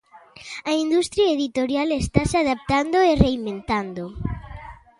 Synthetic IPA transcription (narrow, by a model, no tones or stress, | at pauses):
aind̪ust̪ɾiaeðit̪o̞ɾjalest̪asaðap̚t̪and̪oereiment̪and̪o